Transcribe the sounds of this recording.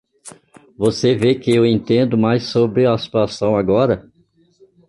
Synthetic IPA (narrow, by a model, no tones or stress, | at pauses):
vosevekɪewẽnt̪ẽnd̪ʊmajsːobɾɪasi̥t̪uasɐ̃w̃aɡɔɾɐ